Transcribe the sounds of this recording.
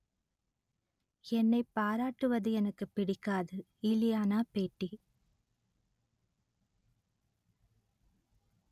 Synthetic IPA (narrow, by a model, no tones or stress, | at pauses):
ɛnːɐɪpːaːɾaːʈːɯʋɐðɯɛnɐkːɯpːɪɽɪkːaːðɯ | ɪlɪjaːnaːpeːʈːi